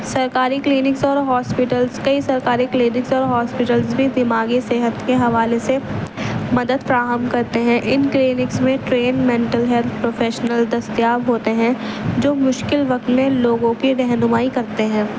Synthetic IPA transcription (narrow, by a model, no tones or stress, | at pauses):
sɐɾkaːɾikliːnɪksɔːɾɦɔːspɪʈəlzkɐisɐɾkaːɾikliːnɪksɔːɾɦɔːspɪʈəlzbʱid̪ɪmaːɡiseːɦət̪keɦɐʋaːlese | mɐd̪əd̪fɾaːɦəmkɐɾt̪eɦɛ̃ʔɪnkliːnɪksmẽʈɾeːnmɛ̃ːɳʈəlɦɛlt̪ʰpɾoːfʰeːʃnəld̪ɐst̪jaːʋɦoːt̪eɦɛ̃d͡ʒoːmʊʃkɪlʋɐkt̪mẽloːɡõkiɾɛɦnʊmaːikɐɾt̪eɦɛ̃ː